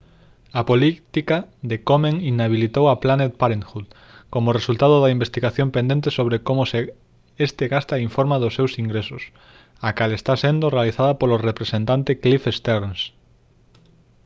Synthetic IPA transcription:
apolit̪ikaðekomẽŋinaβ̞ilit̪owaplanet̪̚paɾeŋxud̪ | komoresult̪aðʊðaimbest̪iɣaθjompẽnd̪ẽnt̪esoβɾekomose | est̪ɪɣast̪aiɱfoɾmaðʊsːewsiŋɡɾesʊs | akalest̪asend̪orealiθaðɐpolorepɾesẽnt̪ant̪eklifest̪eɾns

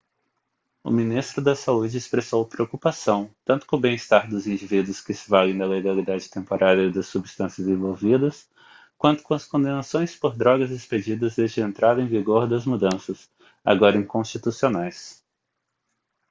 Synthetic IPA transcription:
ʊ̰mĩnist̪ɾʊd̪ɐsaud͡ʒɪespɾesowpɾeokupasɐ̃w̃t̪ɐ̃nt̪ʊ̥kõʊbẽj̃ist̪aɾd̪ʊzĩd͡ʒivid̪ʊskɪsɪvalẽj̃d̪ɐleɡalid̪ad͡ʒɪt̪ẽmpoɾʔaɾjɐɪd̪ɐsːubist̪ɐ̃sjɐzẽvowvid̪ɐs | kwɐ̃nt̪ʊ̥kõɐskõd̪ẽnasõj̃spoɾd̪ɾɔɡɐzɪsped͡ʒid̪ɐzd̪ezd͡ʒɪẽnt̪ɾad̪ɐẽj̃viɡoɾd̪ɐzmud̪ɐ̃sɐs | a̰ɡɔɾɐẽj̃kõst͡ʃit̪usionajs

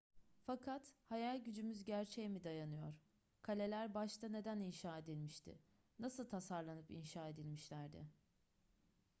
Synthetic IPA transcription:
fakʰat̪hajalʲɟyd͡ʒymyzɟæɾt͡ʃʰejmid̪ajanɯjo̞ɾ̥ | kʰalʲe̞lʲæɾbaʃt̪ʰane̞d̪æninʃaːe̞d̪ilʲmiʃt̪ʰɪ̰ | nasɯlˠt̪ʰasaɾlˠanɯpinʃaːe̞d̪ilʲmiʃlʲæɾd̪ɪ̰

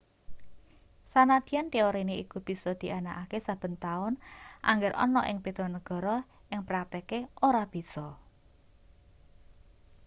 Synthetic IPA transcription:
sanad̪̥i̤ant̪ioɾineikub̥i̤sɔd̪̥i̤anaʔakesab̥ə̤nt̪aʊnʔa̰ŋɡɪɾʔɔ̰nɔʔɪŋpit̪ɔnəɡ̥ɔ̤ɾɔ | ɪŋpɾakt̪ɛkeoɾab̥i̤sɔ

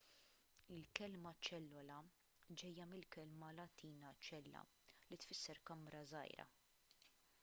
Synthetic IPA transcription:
ɪlkɛlmɐt͡ʃɛlːɔlɐ | d͡ʒɛjːɐmɪlkɛlmɐlɐt̪ʰiːnɐt͡ʃɛlːɐ̰ | lit̪fɪsːɛɾkɐmɾɐzɐ̰jɾɐ̰

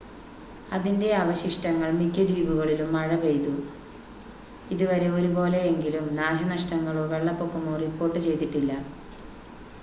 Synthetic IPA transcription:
ɐðinde̞ɐʋɐɕiʂʈɐŋːɐɭmikʲːɐdiːbuɣɐɭilumːɐɻɐʋe̞jt̪u | iðuʋɐɾe̞o̞ɾubo̞ːle̞eŋɡilumnaːɕɐnɐʂʈɐŋːɐɭoːʋe̞ɭːɐpːo̞kːumoːripːo̞ːrʈːɨt͡ɕe̞jt̪iʈːilːɐ

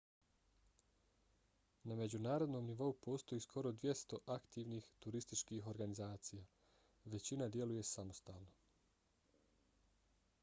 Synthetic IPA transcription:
name̞d͡ʑunaːɾo̞d̪no̞mniʋo̞upo̞ːst̪o̞jiskʰo̞ɾo̞d̪ʋje̞st̪o̞ʔakt̪iːʋnixt̪uɾist̪it͡ʃkiːɦo̞ɾɡanizaːt̪sija | ʋe̞t͡ɕinad̪je̞luje̞samo̞st̪aːlˠno̞

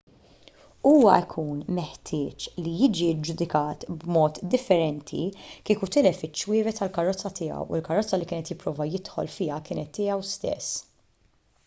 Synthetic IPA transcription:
uːwɐ̰ɪkʰuːnmɛħt̪ʰɪːt͡ʃlijɪːd͡ʒid͡ʒʊd̪ɪkɐːt̪bmɔːt̪d̪ɪfːɛɾɛnt̪ʰḭkiːkut̪ɪlɛfɪt͡ʃːwɪːvɛt̪ɐlkɐrːɔt͡sːɐt̪ɪːɐ̰wʊlkɐrːɔt͡sːɐlikɪːnɛt̪jɪpːɾɔːvɐjɪt̪ħɔ̰lfɪːɐkɪːnɛt̪ːɪːjɐwst̪ɛ̰sː

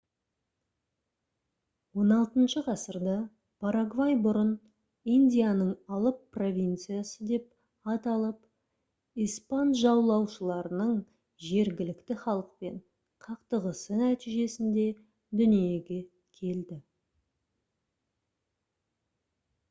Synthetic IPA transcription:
wo̞nɑlˠt̪ənʃəqʰɑsəɾd̪ɑ | pʰaɾaɡvajbʊɾən | ind̪ʲijanəɴɑlˠəpːro̞vʲijnt̪sɨjasəd̪e̞p̚ | ɑt̪ɑlˠəp | ijspanʒɑwlˠɑwʃəlˠɑɾənəɴ | ʒe̞ɾɡʲɪlɪkt̪ɪχɑlˠəq̚pe̞ɴ | qʰɑqt̪əʁəsənæt̪iʒe̞sɪnd̪e̞ | d̪ʏnije̞ɡʲe̞ | kʲʰe̞ld̪ɪ

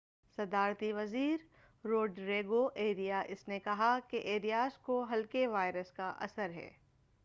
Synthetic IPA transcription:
sɐd̪aːɾt̪iʋɐziːɾ | ɾoːɖɾeːɡoʔeːɾijaʔɪsnekɐɦakeʔeːɾijaːskoɦɐlkeʋaːɪɾəskaʔɐ̰səɾɦɛ̰ː

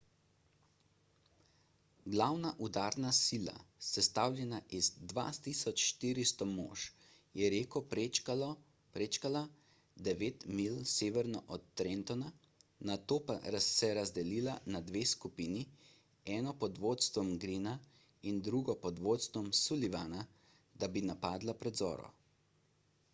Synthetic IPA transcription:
ɡlawnaʔud̪aɾnasiːla̰sɛst̪awlʲjɛnaʔizd̪ʋa̰t̪isɔt͡ʃʃt̪iɾist̪ɔmo̰ːʃ | jɛɾeːkɔ | pɾeːt͡ʃkala | d̪ɛʋeːt̪milseːʋɛɾnɔʔɔt̪ːɾent̪ɔna | nat̪oːpa̰ɾasɛɾazd̪ɛliːlanad̪ʋeːskupiːni | ɛːnɔpɔd̪ʋoːt̪st̪ʋɔmɡɾiːna | ind̪ɾuɡɔpɔd̪ʋot̪st̪ʋɔmsuliʋana | d̪̥abinapaːd̪lapɾɛd̪zɔ̰ːɾɔ̰

